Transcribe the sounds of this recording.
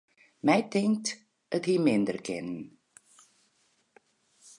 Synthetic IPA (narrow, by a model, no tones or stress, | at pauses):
mɛjθɪ̃ŋk̚t | əðhimɪ̃nd̪əɹɡɪ̰nn